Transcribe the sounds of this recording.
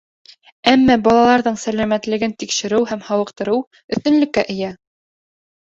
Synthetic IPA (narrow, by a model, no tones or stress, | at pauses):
æmːɑbɒlˠɑlˠɑɾðɤɴsælæmæt̪lɘ̆ɡɘnt̪ikʃɘ̆ɾɘwɦæmhɑwɤ̆qt̪ɤ̆ɾɤw | ɵ̆θt̪ɵ̆nlɘ̆kːæʔɘ̆jæ